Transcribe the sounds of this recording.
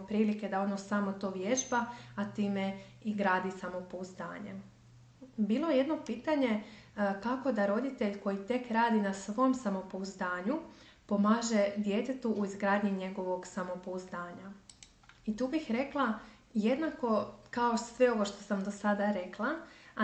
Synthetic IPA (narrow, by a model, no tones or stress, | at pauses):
pɾiːlike̞d̪ao̞nosamo̞t̪o̞ːʋje̞ʒbaat̪iːme̞ | iɡɾaːd̪isamo̞pouzd̪a̰ːɲe̞̰ | biːlˠojeje̞d̪no̞piːt̪aɲe̞kako̞d̪aɾo̞d̪it̪eʎko̞jit̪e̞kɾaːd̪inasʋo̞msamo̞pouzd̪aːɲu | po̞maːʒe̞d̪je̞t̪et̪uʔːizɡɾaːd̪ɲiɲe̞ɡo̞ʋo̞ɡsamo̞pouzd̪aːɲa | it̪uːbixɾe̞klˠa | je̞d̪nako̞kaosʋe̞o̞ʋo̞ʃt̪o̞samd̪o̞sad̪aɾe̞klˠa